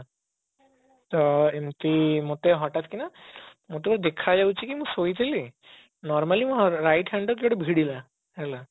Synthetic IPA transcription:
t̪ɔemt̪imot̪eɦɔʈat̪kina | mot̪ebɔɾed̪ekʰad͡ʒawt͡ʃʰikimũsojt̪ʰili | nɔɾmalimũɦɾajʈɦaɳɖok̬eɔɽebʱiɽila | ɦɛla

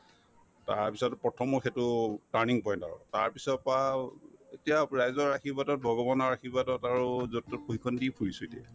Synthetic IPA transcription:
ta̰pisɔtpɔtʰɔmɔxetʊtaɹniŋpɔj̃nta̰ɹɔ̰ta̰ɹpisɔtpaetijaɹajzɔɹaxʰibadɔt̚bʱɔɡɔbɔnɔɹaxʰibatɔtaɹuzɔtːɔt̚poɦikʰɔndipʰuɹisudɛ

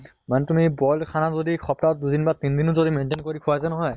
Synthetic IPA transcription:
manɛtumibɔlkʰanazodixʰɔptat̚dudinbatindinuzodimɛntenkoɹikʰuazanɔɦɔj

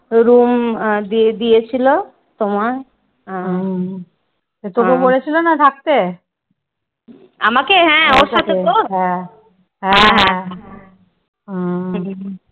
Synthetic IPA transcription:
ɾumd̪id̪ijet͡ɕʰilo | t̪omaɾ̃ | et̪okeboɽet͡ɕʰilonat̪ʰak̚t̪e | amakeɦɛ̃oɾʃat̪ʰeet̪oɦɛ̃ | ɦɛ̃ɦɛ̃ | ɦ

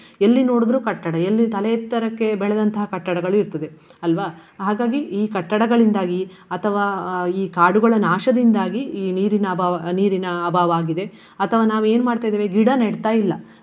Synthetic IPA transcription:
elːino̞ːɽud̪ɐɾukɐʈːɐɽɐelːit̪ɐlɛt̪ːɐɾɐkːe̞bɛɭɐd̪ɐnt̪ɐɦɐkɐʈːɐɽɐɡɐɭuiɾt̪ɐd̪e̞ | ɐlʋaɦaːɡaːɡiiːkɐʈːɐɽɐɡɐɭind̪aːɡi | ɐt̪ʰɐʋaːiːkaːɽuɡɐɭɐnaːʂɐd̪ind̪aːɡiːniːɾinɐbaːʋɐniːɾinɐːbʱaːʋaːɡid̪e̞ | ɐt̪ʰɐʋaːnaːʋueːnumaːɖt̪aːjd̪eːʋeɡiɽɐnɐɽt̪aːjilːɐ

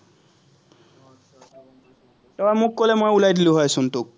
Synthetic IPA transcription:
tɔwamukːolemojulajdiluɦɔesunt̪ok̚

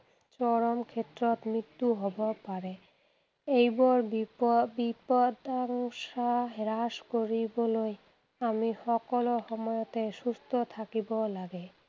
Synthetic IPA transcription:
t͡ɕɔɾomkʰet̪ːɾot̪mit̪ːuɦɔbopaɾe | ejbɔɾbipod̪aŋʃaɾaʃkoɾiboloj | amiʃɔkolohɔmɔjot̪eʃust̪ʰot̪ʰakibolaɡe

